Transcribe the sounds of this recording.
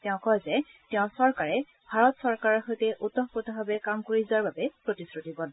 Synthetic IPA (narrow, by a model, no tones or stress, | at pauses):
tɛʊ̃kɔjzɛtɛʊ̃sɔɹkaɹɛ | bʱaɹɔtsɔɹkaɹɔɹxojtɛʔutːɔɦpotɔbabɛkamkoɹizaɹbabɛpɹotisɹutibɔn